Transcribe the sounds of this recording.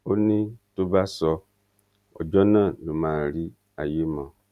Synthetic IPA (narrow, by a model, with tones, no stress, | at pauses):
o˦nĩ˦to˦ba˦sɔ˦ | ɔ̰˨d͡ʒɔ˦nã˦˨nũ˨mã˨ɾi˦ | a̰˨je˦mã˨